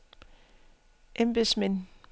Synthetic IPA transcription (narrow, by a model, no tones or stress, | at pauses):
ʔemb̥esmen